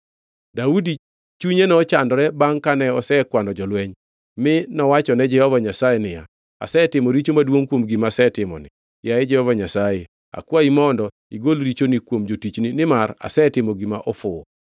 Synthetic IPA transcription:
daudi | t͡ʃuɲenɔt͡ʃandɔɾɛbaŋkanɛɔsɛkwanɔd͡ʒɔlwɛɲ | mɪnɔwat͡ʃɔnɛd͡ʒɛhɔvaɲasajɛnɪja̰ | a̰sɛtɪmɔɾit͡ʃomadwoŋkwomɡimasɛtɪmɔ̰nɪ | jaɛd͡ʒɛhɔvaɲasajɛ | a̰kwaimɔndɔ | iɡolɾit͡ʃonikwomd͡ʒotit͡ʃninɪmaɾa̰sɛtɪmɔɡimaʔɔfʊ

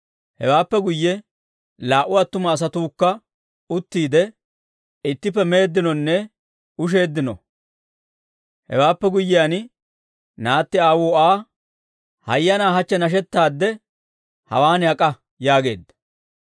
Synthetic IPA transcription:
hɛ̰waːpːɛɡʊjːɛ | laːʔʊɐt̪ːʊmɐːs̬ɐt̪uːkːɐ | ʊt̪ːiːd̪ɛ | ɪt̪ːɪp̬ːɛme̞ːd̪ːɪnɔnːɛ | ʊʃ̬e̞ːd̪ːɪnɔ̰ | hɛ̰waːpːɛɡʊjːɪjan | naːt̪ːɪaːwoːaː | hɐjːɐnaːɦɐt͡ʃːɛnɐʃ̬ɛt̪ːaːd̪ːɛ | hɐ̰waːnɪɐkʼɐ | jaːɡe̞̰ːd̪ːɐ̥

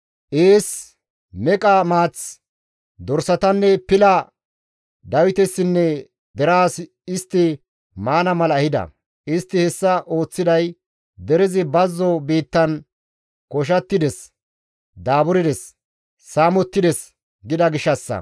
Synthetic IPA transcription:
ʔeːs | mɛkʼɐmaːt͡s | d̪ɔɾsɐt̪ɐnːɛpɪlɐ | d̪ɐwɪt̪ɛsːɪnːɛ | d̪ɛɾaːs | ɪst̪ːɪ | maːnɐmɐlɐɐhɪd̪ɐ̰ | ʔɪst̪ːɪhɛsːɐʔo̞ːt͡sːɪd̪ɐj | d̪ɛɾɪzɪbɐzːɔbiːt̪ːɐn | kɔʃ̬ɐt̪ːɪd̪ɛs | d̪aːbʊɾɪd̪ɛsː | aːmɔt̪ːɪd̪ɛs | ɡɪd̪ɐɡɪʃɐsːɐ̰

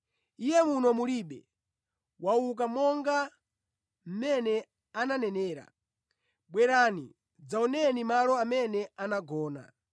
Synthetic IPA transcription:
ijɛmunɔmuliɓɛ̰ | wauk̬amɔŋɡa | m̩mɛnɛ | ananɛnɛːɾa̰ | ɓwɛɾanḭ | d͡zaɔnɛnimalɔamɛnɛanaɡɔːna̰

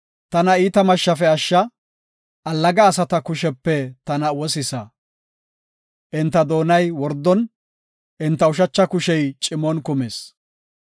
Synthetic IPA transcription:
t̪ɐnɐiːt̪ɐmɐʃːɐfɛɐʃːɐ | ɐlːɐɡɐːsɐt̪ɐkʊʃɛpːɛt̪ɐnɐwɔsɪsɐ | ʔɪnt̪ːɐd̪o̞ːnɐjwɔɾd̪ːɔn | ʔɪnt̪ːɐʊʃɐt͡ʃːɐkʊʃɛjt͡ʃʼɪmɔnkʊmeːs

